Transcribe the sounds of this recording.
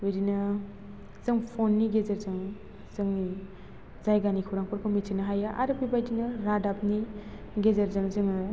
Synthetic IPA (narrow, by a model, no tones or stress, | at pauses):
ojdinɐ | z̥ɯŋpʰonːiɡezɐɾzɯŋ | zɯŋni | zajɡanikʰuwɾaŋpɔɾkʰɯmitʰinaɦajaʔa̰ɾopibajdinɐɾadap̚ni | ɡezɐɾzɯŋzɯŋɯ